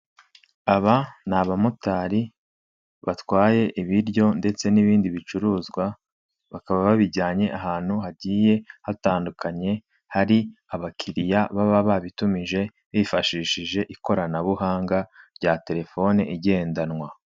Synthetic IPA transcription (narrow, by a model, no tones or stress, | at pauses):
aβanaβamutaːɾi | βatwaːje̞ʔiβiɾɟo̞nde̞t͡se̞niβiːndiβit͡ʃuɾuːzɡwa | βakaβaβaβiɾɟaːɲe̞ʔaɦaːn̥huɦaɟiːje̞hataːndukʰaɲe̞ | haɾiaβakʰiɾijaβaβaβaβitumiʒe̞ | βifaʃiːʃiʒe̞ʔiko̞ɾanaβuɦaːŋɡaɾɟaːte̞ɾe̞fo̞neʔiɟe̞ːndanŋwa